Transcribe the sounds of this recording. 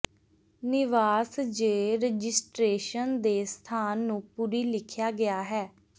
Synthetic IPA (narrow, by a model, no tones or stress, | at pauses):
nɪʋaːsd͡ʒeːɾəd͡ʒɪsʈɾeːʃənd̪eːst̪ʰaːnːũːpuɾiːlɪkʰjaːɡɪaːɦɛː